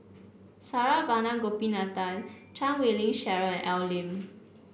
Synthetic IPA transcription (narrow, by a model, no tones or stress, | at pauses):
saɹavanãɡopĩnat̪altʰãnwelĩŋʃɛɹəʔɛwlĩm